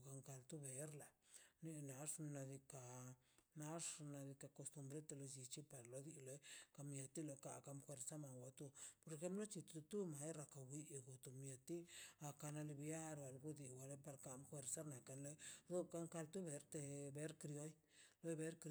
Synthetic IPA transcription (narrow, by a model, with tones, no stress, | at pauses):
ka˧ŋka˧lt̪u˦be˨ɾla˨ne˧na˨˦ʂna˧d̪i˧ka˨ | na˦ʂna˧d̪i˧ka˧ko˧st̪u˧mbɾe˦t̪e˧lo˧d͡ʒi˧t͡ʃi˦pa˨ɾlo˧d̪i˧lo˦jka˧mje˧t̪i˦lo˧ka˧ka˧mxwe˧ɾsa˦ma˨wa˧t̪u˧po˧ɾe˧xe˦mplo˦t͡ʃi˧t̪t̪u˦ma˨˦jɾa˧ka˨wi˧ɡo˨t̪o˨mje˧t̪i˦a˧ka˧na˧li˧bja˦ɾwa˨lɡu˦d̪i˧˨wa˧le˦pa˧ɾka˧˦mxwe˧ɾsa˦ɾna˨ka˧nlo˦jd̪o˦ka˧ŋka˧lt̪u˦be˨ɾt̪e˧be˦ɾkɾjo˦j | lo˦jbe˦ɾk